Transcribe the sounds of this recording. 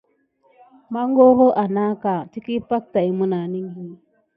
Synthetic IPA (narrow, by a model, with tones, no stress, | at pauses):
ma˦ŋɡo˦ɣo˦ʔa˨na˦ka˨ti˦ki˦pa˦k̚ta˨i˨mu˦na˨ni˦ŋɡi˦